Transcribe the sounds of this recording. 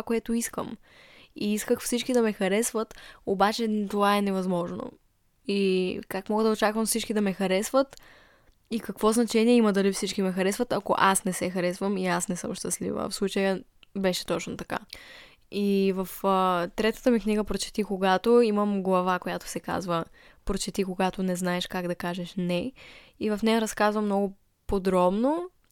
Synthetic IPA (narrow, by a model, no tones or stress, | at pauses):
koɛt̪oiskə̰m | iiskəxfsit͡ʃkid̪ɐmɛxɐɾɛsvət̪obat͡ʃɛt̪ovaɛnɛvɐzmɔʒno̰ | ikakmɔɡəd̪ɐot͡ʃakvəmfsit͡ʃkid̪ɐmɛxɐɾɛsvət̪ | ikɐkvɔznɐt͡ʃɛniɛiməd̪ɐlifsit͡ʃkimɛxɐɾɛsvət̪ɐko̰ʔasnɛsɛxɐɾɛsvəmiasnɛsɤ̰mʃt̪ɐslḭvə̰fslˠut͡ʃəjəbɛʃɛ̥t̪ɔt͡ʃnot̪ɐka̰ | ivɐft̪ɾɛt̪ə̥t̪əmikniɡəpɾot͡ʃɛ̥t̪ikoɡat̪oiməmɡlˠɐvakojat̪ʊ̥sɛka̰zvə | pɾot͡ʃɛt̪ikoɡat̪onɛznaɛʃkaɡd̪ɐkaʒɛʃnɛ | ivɐfnɛjəɾɐskazvəmnɔɡo | pod̪ɾɔbno